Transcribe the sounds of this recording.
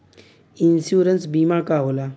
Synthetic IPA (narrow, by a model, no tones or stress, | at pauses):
insjuːɾənsbiːmaːkaːɦoːlaː